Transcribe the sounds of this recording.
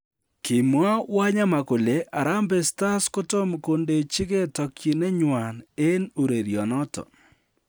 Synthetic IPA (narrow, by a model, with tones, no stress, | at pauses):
kɪ˨mwa˦wa˦ɲa˦ma˨ko˨le˨ʔa˨ɾa˦mbe˨sta˦sko˦to˦mko˨nde˨t͡ʃɪ˦ke˦tɔ˨kʰji˨ne˦ɲwa˨ne˦no˨ɾe˨ɾjɔ˨nɔ˦tɔ̰˨